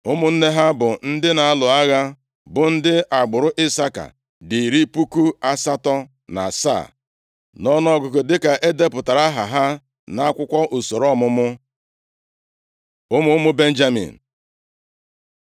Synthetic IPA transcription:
ʊ˦mʊ˦n̩˦ne˦ɦa˦bʊ˨n̩˦dɪ˦na˨a˦lʊ˨a˦ɣa˦ | bʊ˨n̩˦dɪ˦ʔa˨ɡ͡bʊ˨ɾʊ˦ʔɪ˦sa˦ka̰˨ | di˨ɾi˦pu˦ku˦a˦sa˦tɔ˦ | na̰˨sa̰˦˨ | nɔ˦nɔ˦˨ɡʊ˨ko˨dɪ˦ka˨ʔe˦de˦pʊ˨ta˨ɾa˦ɦa˨ɦa˦ | na˦a˦kʷʊ˦kʷɔ˦ʔo˨so˨ɾɔ˦mʊ˦mʊ˦ | ʊ˦mʊ˦mʊ˦be˦n̩˦d͡ʒa˦mḭ˨n̩˨

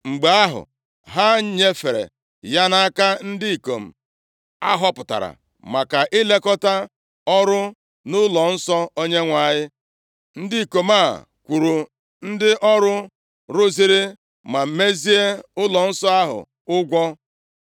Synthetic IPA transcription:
ŋ͡m̩˨ɡ͡be˨a˦ɦʊ̰˨ | ɦa˦ɲe˦fe˨ɾḛ˨ | ja˦na˦a˦ka˦n̩˦dɪ˦i˨ko˨m̩˨ | a̰˦ɦɔ˦pʊ˨ta̰˨ɾa̰˨ | ma˨ka˨ʔɪ˦le˦kɔ˦ta˦ | ɔ˦ɾʊ˦ | nʊ˦lɔ˨n̩˦sɔ˦o˦ɲe˦ŋʷa˨˦˨ɲɪ˦ | n̩˦di˦i˨ko˨ma˦˨ | kʷu˨ɾu˨ | n̩˦dɪ˦ʔɔ˦ɾʊ˦ | ɾʊ˦zi˦ɾi˦ | ma˨m̩˦me˦zi˦e˦ʊ˦lɔ˨n̩˦sɔ˦a˦ɦʊ̰˨ | ʊ˦ɡʷɔ˦

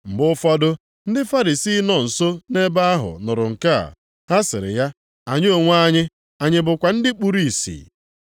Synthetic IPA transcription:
m̩˨bʊ˦fɔ˦dʊ˦ | n̩˦dɪ˦fa˦ɾi˨siː˦nɔ˨n̩˨so˦ne˦ba˦a˦ɦʊ̰˨nʊ˨ɾʊ˨ŋ̩˨ka̰˦˨ | ha˦sɪ˨ɾɪ̰˨ja˦ | a˨ɲ˦o˨ŋʷ˦a˦ɲɪ˦ | a˨ɲɪ˨bʊ˨kʷa˨n̩˦dɪ˦k͡pu˦ɾi˦˨sḭː˨

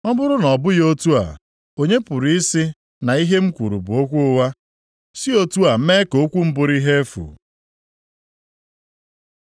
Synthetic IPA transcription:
ɔ˦bʊ˦ɾʊ˦nɔ˨bʊ˦jo˦tu˦a̰˨ | o˨ɲe˦pʊ˨ɾi˨˦i˦si˦ | na˨i˦ɦe˦m̩˦kʷu˨ɾṵ˨bʊ˨o˦kʷu˦ʊ˦wa˦ | si˦o˦tu˦a˨˦me˦ko˨˦kʷu˦m̩˦bʊ˨ɾi˦ɦe˦fṵ˨

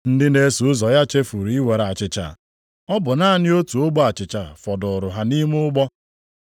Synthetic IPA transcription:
n̩˦dɪ˦ne˨˦su˨ʊ˦zɔ˨ja˦t͡ʃe˦fu˨ɾi˨˦i˦we˨ɾa˨t͡ʃɪ˨t͡ʃa̰˨ | ɔ˦bʊ˨na˦a˦nɪ˦o˦tu˨o˦ɡ͡bɔ˦a˨t͡ʃɪ˨t͡ʃa˨fɔ˨dʊ˨ʊ˨ɾʊ˨ɦa˨ni˦mʊ˦ʊ˦ɡ͡bɔ˦

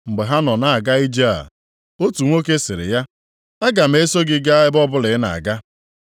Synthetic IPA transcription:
ŋ͡m̩˨ɡ͡be˨ɦa˦nɔ˨na˨a˨ɡa˦i˦d͡ʒa˦a̰˨ | o˦tu˨ŋʷo˦ke˦sɪ˨ɾɪ̰˨ja˦ | a˦ɡa˨m̩˦e˦so˦ɡɪ˦ɡa˦a˦ɪ˦bɔ˦bʊ˦lɪ˨ɪ˦na̰˨a̰˨ɡa˦

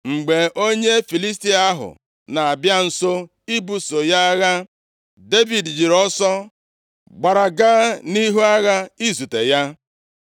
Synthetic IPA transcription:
ŋ͡m̩˨ɡ͡be˨o˦ɲe˦fi˨li˦s̬ti˦a˦ɦʊ̰˨ | na˨a˨bja˦n̩˨so˦ | i˦bu˨so˨ja˦a˦ɣa˦ | de˦vi˨dd͡ʒi˨ɾɔ˦sɔ˦ | ɡ͡ba˨ɾa˨ɡaː˦ni˦ɦu˦a˦ɣa˦i˦zu˨te˨ja˦

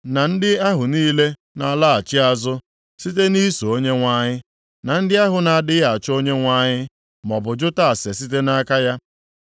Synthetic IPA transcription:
na˨n̩˦dɪ˦a˦ɦʊ˨niː˦le˦ | na˨la˦a˨t͡ʃɪ˦a˨zʊ˦ | si˦t̬e˦ni˦so˨o˦ɲe˦ŋʷa˦ɲɪ˦ | na˨n̩˦dɪ˦a˦ɦʊ˨na˨a˨dɪ˦ja˨t͡ʃo˦ɲe˦ŋʷa˦ɲɪ˦ | mɔ˨bʊ˨d͡ʒʊ˦ta˦˨a˨se˨si˦t̬e˦na˦ka˦ja˦

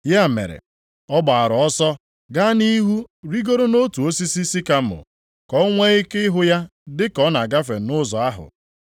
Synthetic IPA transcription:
ja˦˨mḛ˨ɾḛ˨ | ɔ˦ba˨a˨ɾɔ˨ɔ˦sɔ˦ | ɡa˦ni˦ɦu˦ɾi˦ɡo˦ɾo˦no˦tu˨o˦si˦si˦si˦ka˦m̩˦ʊ̰˨ | kɔ˦ŋʷe˦i˦ke˦ɪ˦ɦʊ˦ja˦dɪ˦kɔ˦na˨ɡa˦fe˨nʊ˦zɔ˨a˦ɦʊ̰˨

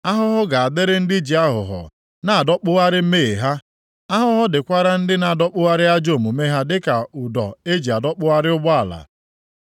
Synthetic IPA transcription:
a˦ɦʊ˦ɦʊ˦ɡa˨a˨dɪ˦ɾɪ˦n̩˦dɪ˦d͡ʒi˨a˦ɦʊ̰˨ɦɔ̰˨ | na˨a˨dɔ˦k͡pʊ˦ɣa˦ɾɪ˦m̩˦me˦˨e˨ɦa˦ | a˦ɦʊ˦ɦʊ˦dɪ˨kʷa˦ɾa˦n̩˦dɪ˦na˦˨dɔ˦k͡pʊ˦ɣa˦ɾɪ˦a˦d͡ʒo˦˨mu˨me˦ɦa˦dɪ˦ka˨ʊ˨dɔ̰˨e˦d͡ʒi˨a˨dɔ˦k͡pʊ˦ɣa˦ɾɪ˦ʊ˦ɡ͡ba˦a˨la̰˨

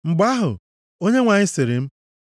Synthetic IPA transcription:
ŋ͡m̩˨ɡ͡ba˦ɦʊ̰˨ | o˦ɲe˦ŋʷa˨ɲɪ˦sɪ˨ɾɪ˨m̩˦

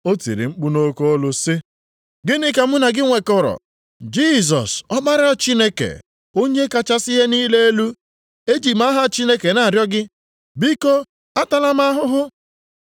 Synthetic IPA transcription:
o˦tḭ˨ɾi˨ŋ͡m̩˦k͡pu˦no˦ko˦o˦lʊ˦sɪ˦ | ɡɪ˦nɪ˦ka˨m̩˦na˨ɡɪ˦ŋʷe˨kɔ˦˨ɾɔ̰˨ | d͡ʒi˦˨z̬ɔ̰˨sɔ˦ba˦ɾa˦˨t͡ʃi˦ne˦kḛ˨ | o˦ɲe˦ka˦t͡ʃa˦sɪ˦ɦe˦niː˦le˦e˦lu˦ | e˦d͡ʒi˨ma˦ɦa˦˨t͡ʃi˦ne˦ke˨na˨a˨ɾjɔ˦ɡɪ˦ | bi˦ko˦ | a˦ta˦la˦ma˦a˦ɦʊ˦ɦʊ˦

